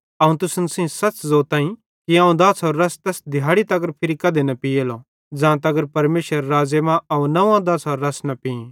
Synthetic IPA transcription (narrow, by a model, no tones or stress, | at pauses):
ɐũt̪ʊsənsĩsɐt͡ʃzoːt̪ãːĩ | kiɐ̃ũd̪ɐːsɔːɾːɐst̪ɛːsd̪ʱɪjaːɽit̪ɐɡəɾpʰɪɾikɐd̪enɐpijeːlo | d͡zãːt̪ɐɡəɾpɐɾmeːʃəɾːaːd͡ʒemãɐũnɐʋãd̪ɐːsɔːɾːɐsnɐpĩ